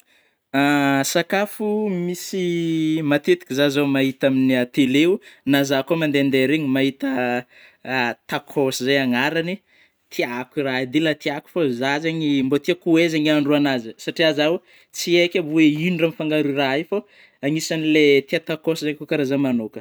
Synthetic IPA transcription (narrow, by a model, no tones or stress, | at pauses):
asakafumisimat̪et̪i̥kʲizazamaɦit̪aminiat̪eleunazakomand̪eand̪eɾeɲimaɦit̪ə | t̪akʰosizajaŋaɾani | t̪ʰiakirad̪ilat̪iaku̥fazazaɲimbot̪iakuezaɲiaɳɖ͡ʐuanazəsaʈ͡ʂiazaw | t͡siekʲabueiniramifaŋɡaɾuraifo | aŋisanilet̪iat̪akosizajkukaɾazamanokə